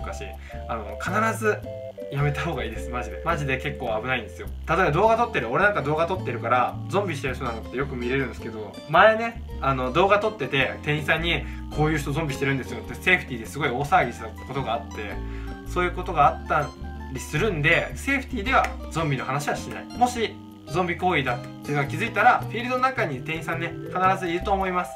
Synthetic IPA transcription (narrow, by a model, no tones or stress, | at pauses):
ɯkaɕḭ | ano̞̰kʰanaɾazɨ | jame̞t̪aɦo̞ːɡaiːd̪e̞sɨmaʑid̪e̞maʑid̪e̞ke̞kːo̞ːabɯ̟naĩnd̪e̞sɨjo̞t̪at̪o̞ebad̪o̞ːɡat̪o̞t̪ːe̞ɾɯ̟o̞ɾe̞nãŋkad̪o̞ːɡat̪o̞t̪ːe̞ɾɯ̟kaɾazõ̞mbʲiɕit̪eɾ̟çt̪onano̞t̪ːe̞jo̞kɯ̟mʲiɾe̞ɾɯ̟̃nd̪esɨ̥ked̪o̞ | maene̞ | ano̞d̪o̞ːɡat̪o̞t̪ːe̞t̪e̞t̪ẽ̞ɰ̃ĩsãiɲ̟ːi | kʰo̞ːjɯ̟ːç̬̥t̪o̞zõ̞mbʲiɕi̥t̪e̞ɾɯ̃nd̪e̞sɨjo̞t̪ːe̞se̞ːɸɯ̥t̪ʲiːd̪e̞sɨɡo̞io̞ːsaːɡʲisnako̞t̪o̞ɡaːt̪ːe̞̰so̞ːjɯ̟ːko̞t̪o̞ɡaːt̪ːã | ɾʲisɨɾɯ̟̃nd̪e̞se̞ːɸɯ̟̥t̪ʲiːd̪e̞βa̰zõ̞mbʲino̞hanaɕiβaɕina̰imo̞ɕi | zõmbʲiko̞ːiːd̪at̪ːenoɡakʲizɨit̪aɾaɸʲiːɾɯd̪o̞nonakaɲ̟it̪ẽɰĩsãnːehanaɾazɨiɾɯ̟t̪o̞ːmo̞imasɨ̥